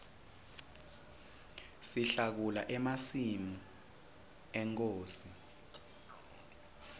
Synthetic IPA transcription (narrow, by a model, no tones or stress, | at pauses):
siɬak̬ulaʔɛmasimu | ɛŋk̬ʼoːsi